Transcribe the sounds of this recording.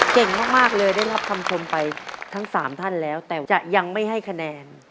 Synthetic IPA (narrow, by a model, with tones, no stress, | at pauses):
ke˨˩ŋmaː˥˩k̚maː˥˩k̚lɤː˧jdaː˥˩jɾa˦˥p̚kʰa˧mkʰo˧mpa˧jt̪ʰa˦˥ŋsaː˩˦mt̪ʰa˥˩nlɛː˦˥wt̪ɛː˨˩t͡ɕa˨˩ʔja˧ŋma˥˩jɦa˥˩jkʰa˧nɛː˧n